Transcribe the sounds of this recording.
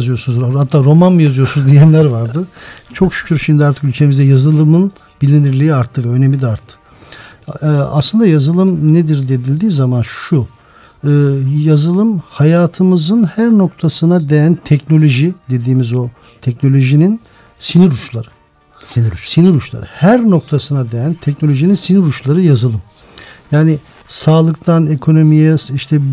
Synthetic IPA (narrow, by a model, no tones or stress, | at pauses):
zɯjo̞ɾsunzhat̪ʰːaːɾo̞manmɯjazɯjo̞sunzd̪ijɛnlʲæɾvaɾd̪ɯt͡ʃʰo̞kʃy̥cʰyɾʃimd̪iaɾt̪ʰɯ̥kylʲcʰe̞mizd̪ɛjazɯlˠɯmɯn | bilʲiniɾlʲiːiaɾt̪ʰːɯvɛønemlʲid̪ʲaɾt̪ʰːɯ̥ | a̰slˠɯnd̪ajazɯlˠɯmned̪iɾd̪e̞d̪ilʲd̪iːzamanʃu | ɯːjazɯlˠɯmhajaːt̪ʰɯmɯzɯnhæɾno̞k̚t̪ʰasɯnad̪e̞jænt̪ʰɛcno̞lʲo̞ʒid̪e̞d̪iːmizo̞ | t̪ʰɛc̚no̞lʲo̞ʒinin | siniɾut͡ʃlˠaɾɯ | siniɾut͡ʃlˠa̰ɾɯhæɾno̞k̚t̪ʰasɯnad̪ejænt̪ʰɛcnolʲo̞ʒininsiniɾut͡ʃlˠaɾɯjazɯlˠɯm | jaːni | saːlˠɯkt̪ʰane̞kʰo̞no̞mijɛiʃt̪ʰɛ